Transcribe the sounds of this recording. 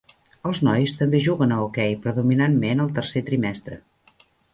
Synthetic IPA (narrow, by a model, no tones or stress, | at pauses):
əlˠznɔjst̪əmbeʒuɣənəukɛjpɾəðuminanmenəlˠt̪ərset̪ɾimɛst̪ɾə̰